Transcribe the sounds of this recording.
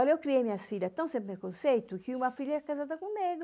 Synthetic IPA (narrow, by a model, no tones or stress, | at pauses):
ɔɾɛwkːɾiɛjmiɲasfid̪at̪ːɔ̃w̃sɛmpeɾkonsɛjt̪ukiumafiʎːaɛkːazat̪̬akumːɛɡ